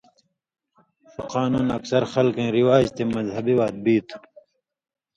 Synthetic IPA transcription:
fuqaːnuːnɐksɐɾxɐlkẽːɾiwaːd͡ʑt̪emɐzhɐbiwaːt̪̚biːt̪ʰ

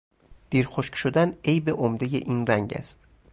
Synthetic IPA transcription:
d̪̥iːɾxoʃkʃod̪ænejbeʔomd̪ejeʔiːnræŋɟæ̰st̪

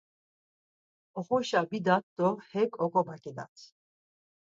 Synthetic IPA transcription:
ɔχɔʃabid̪at̪̚d̪̥ɔhɛkʼɔkʼɔbakʼɛd̪a̰t̪ʰ

